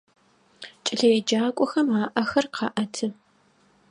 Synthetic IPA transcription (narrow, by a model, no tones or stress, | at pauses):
t͡ʃʼɪɮɐjɛd͡ʒaːkʷʼɔxɐmaːʔɐxɐrqʰɑʔɐtʰɨ